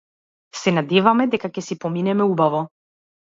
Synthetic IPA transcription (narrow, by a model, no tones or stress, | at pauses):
sɛnad̪ɛvamɛd̪ɛkakɛsipɔminɛmɛubavɔ